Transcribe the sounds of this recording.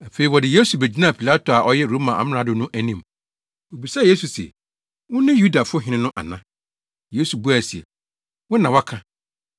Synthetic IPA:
a˨fe˨ɾi˨wɔ˨dɪ˨je˦su˨be˨d͡ʑi˦nã˦˨pʰi˨la˦tʰo˨a˨ʔɔ˦jɛ˦ɾo˦mã˨ʔa̰˨mɪ̃˦ã˨˦dʊ˨nʊ̃˦ʔæ˦nĩ˨m | wo˨bi˨sa˦je˦su˨sɛ̰˨ | wʊ̃˦nɪ̃˦ju˦da˨fʊ˦ɦɪ̃˨nɪ̃˦nʊ̃˦ʔa̰˨nã̰˦ | je˦su˨bu˦a˨si˨ɛ̰˨ | wʊ̃˦nã˨wa˦kʰã˦

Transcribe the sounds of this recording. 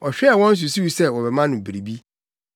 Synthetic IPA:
ɔ˨ɕᶣɛ˦˨wɔ̃˦n̩˦s̬u˨si˦wi˨sɛ˦wɔ˨bɛ˨mã˦nʊ̃˨bi˨ɾi˨bi˦

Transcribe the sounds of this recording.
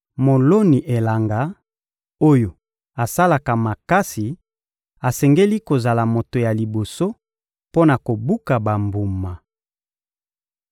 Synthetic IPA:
mo˨lo˦ni˨ʔe˨la˨ŋɡa˦ | o˦jo˨ | a˨sa˦la˨ka˨ma˨ka˦si˨ | a˨sɛ˨ŋɡe˦li˦ko˨za˨la˨mo˨to˨ja˨li˨bo˨so˦ | po˦na˨ko˨bu˦ka˨ba˨mbu˨ma˨

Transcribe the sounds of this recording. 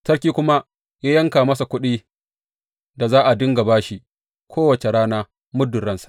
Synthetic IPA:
tɐ˦ɽkʲiː˦kʷʊ˦ma˦ | jaː˦jɐ˦ŋkaː˨mɐ˦sa˨kʷʊ˦ɗiː˦ | da˨zaː˦ʔa˨dʊ˦ŋɡa˨baː˦ʃi˦ | kʰʷoː˦wɐ˨t͡ʃe˨ɽaː˦naː˦ | mʊ˦dːʊ˨ɽɐ˦nsḁ˨ʔ

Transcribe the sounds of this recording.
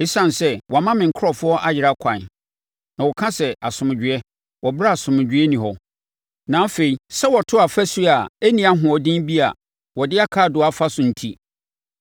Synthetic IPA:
e˦sã˨n˨sɛ˦wɔ˨a˨mã˦mɪ̃˨ŋ̩˨kʰʊ˦ɔ˨fʊ˦ɔ˦ʔa˦˨jɪ˨ɾa˦kʷʰã˨n | nã˨wɔ˨kʰã˦sɛ˨a˨sʊ̃˨mɪ̃˨d͡ʑᶣɪ˨ɛ˦ | wɔ˨ba˦a˨sʊ̃˨mɪ̃˨d͡ʑᶣɪ˦ɛ˦nĩ˨hɔ˦ | nã˨˦fe˨i˨sɛ˦wɔ˨tʰʊ˦a˨fæ˦si˦a˨æ˦nĩ˨a˦ɦʊ̃˨ɔ˨dĩ˦bi˦a̰˨ | wɔ˨dɪ˦a˦kʰaː˦˨dʊ˨˦˨a˦˨fa˦sʊ̃˨n̩˨tʰi˦

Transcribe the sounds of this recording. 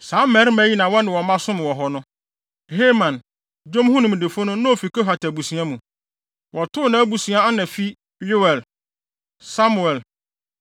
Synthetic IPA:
sã˨˦mɛ˨˦ɾmæ˦ji˦nã˨wɔ˦nɪ̃˨wɔ˨mã˦sʊ̃˦m˨wɔ˨ɦɔ˨nʊ̃˦ | he˦mã˨n | d͡ʑõ˦m˦hʊ̃˦nʊ̃˨m˨de˨fʊ˦nʊ̃˦nã˦o˨fi˨ko˦fa˨tʰɛ˨bu˨sũ˨ã˦mũ˨ | wʔɔ˨tʰʊ˦˨nã˨˦bu˨sũ˨˦ã˦a˦nã˨fi˦ | jʊ˦wɛ˨l | sa˦mu˨ɛ˨l

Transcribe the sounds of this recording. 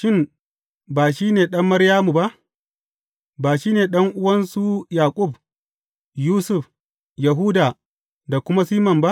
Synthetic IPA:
ʃɪ˦˨m | baː˨ʃiː˦neː˨ɗɐ˦mːɐ˦ɾjaː˦mu˨ba˦ʔ | baː˨ʃiː˦neː˨ɗɐ˦ŋʔʊ˦wɐ˦nsu˦jaː˨kʷʼʊ˦˨b | juː˦sʊ˦˨ɸ | ja˨ɦu˦daː˨ | da˨kʷʊ˦ma˦siː˦mɐ˨mba˦ʔ

